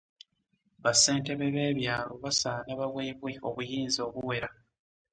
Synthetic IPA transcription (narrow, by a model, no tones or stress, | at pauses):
βase̞ːnte̞βeβe̞ːβjaːlo̞βasaːlaβaβweːβwe̞o̞̰βujiːnzoːβuwe̞ɾa